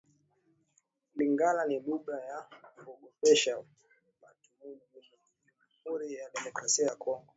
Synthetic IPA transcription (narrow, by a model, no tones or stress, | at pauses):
liŋɡalaniɗuɓɾajakɔɡɔpɛʃa | matumun | amhuɾijaɗɛmɔkɾasiajakʰɔŋɡɔ